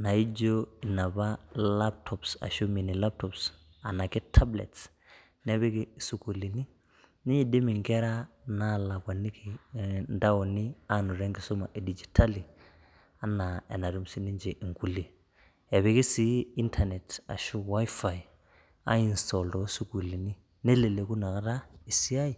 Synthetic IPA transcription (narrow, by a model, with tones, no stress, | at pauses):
na˨i˦d͡ʒo˦i˨na˨ba˦la˦p̚tʰɔ˨psa̰˨ʃu˦mi˨ni˨la˦p̚tɔ˨ps | a˨na˨ki˦tʰa˦blḛ˨ts | ne˦βe˦ki˦su˨ku˨li˨ni˦ | ni˦ɲi˨di˦mi˨ŋɡɛ˦ɾa˦na˦˨la˨ɡwa˨nːi˦ki˨nda˦wo˨ni˦a˦nu˨ɾe˦ŋɡi˨su˦ma˨ʔe˨di˨d͡ʒi̥˨tʰa˦li˨ | a˦na˨ḛ˨na˨ɾu˦msi˦ni˦ɲd͡ʒe˨ʔi˨ŋku˦˨li˨ | e˨βe˨ki˦si˦i˦ntʰa˨ne˨ta̰˨ʃu˦wa˦jfa˨j | a̰˦i˨nstɔ˨ldɔ˦su˦ku˨li˨ni˦ | ne˦le˨le˨ku˦na˨ka˦ɾa˦i˨si˦a˦i˨